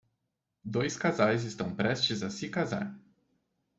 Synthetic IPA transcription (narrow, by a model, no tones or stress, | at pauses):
d̪ojskazajzist̪ɐ̃w̃pɾɛst͡ʃɪzasikaza̰ɾ